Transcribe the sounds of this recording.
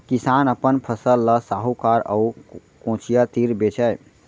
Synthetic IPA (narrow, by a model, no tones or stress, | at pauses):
kisanəpənpʰəsəlːəsaɦukaɾə̰u | kõt͡ʃʰijat̪iɾbet͡ʃʰɛj